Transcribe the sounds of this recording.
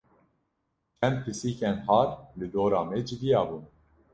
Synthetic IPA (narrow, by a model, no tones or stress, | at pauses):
t͡ʃʰɛnd̪̚pʰɨsiːkɛnhɑːɾlɨd̪oːɾɑːmɛd͡ʒɨd̪ijɑːbuːn